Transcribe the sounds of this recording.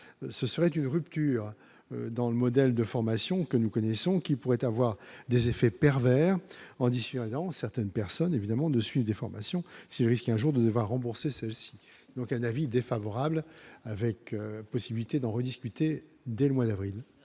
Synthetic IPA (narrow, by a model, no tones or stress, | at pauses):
səsəʁɛt̪ynʁypt̪yːʁ | ød̪ɑ̃ləmɔd̪ɛld̪əfɔʁmasjɔ̃kənukɔnɛsɔ̃kʲipuʁɛt̪avwaʁd̪ezefɛpɛʁvɛːʁɑ̃d̪ised̪ɑ̃sɛʁt̪ɛnpɛʁsɔnevid̪amɑ̃d̪əsɥivd̪efɔʁma̰sjɔ̃silʁiskɛ̃ʒuʁd̪əd̪əvwaʁːɑ̃buʁsesɛlsi̥ | d̪ɔ̃kɛ̃navid̪efavɔʁablavɛkøpɔsibilit̪ed̪ɑ̃ʁəd̪iskʲyt̪e | d̪ɛləmwad̪avʁil